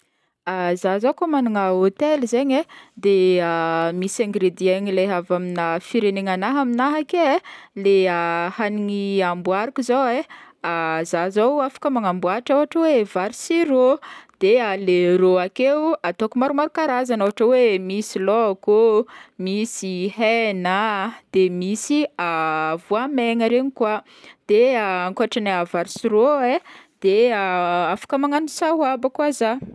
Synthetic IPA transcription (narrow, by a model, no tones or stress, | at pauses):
azazakomanuŋəot̪elizeɲed̪eamisãŋɡɾed̪iaɲileɦavaminəfiɾeneŋanaɦaminaɦakeleahaniŋiambuaɾakizaweazazawafḁkəmaŋambuaʈ͡ʂaɦaʈ͡ʂəwevaɾisiɾod̪̥ealeɾoakewat̪okumaɾumaɾukaɾazanoɦaʈ͡ʂəwemisilokumisiɦɛnad̪̥emisiavuamɛŋəɾeɲikwa | d̪̥eaaŋkoaʈ͡ʂanaavaɾisiɾoed̪̥eaafḁkəmaŋanusaɦwabakuaza